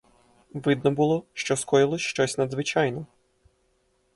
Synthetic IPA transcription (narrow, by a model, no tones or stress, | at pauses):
ʋɪd̪nɔbʊlˠɔʃt͡ʃɔskɔjɪlˠɔsʲʃt͡ʃɔsʲnɐd̪zʋɪt͡ʃɑjnɔ